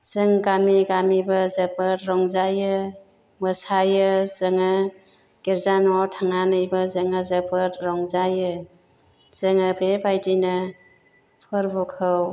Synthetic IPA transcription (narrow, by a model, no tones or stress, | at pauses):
zɯŋɡamiɡamibəzəpəɾɾɔŋzajɯ | məsajɯzɯŋɯ | ɡ̥eɾzanɔtʰaŋanɯjbɯzɯŋɯzəpətɾɔŋzajɯ | z̥əŋɯbebajdinɯ | pʰɯɾbukʰɯw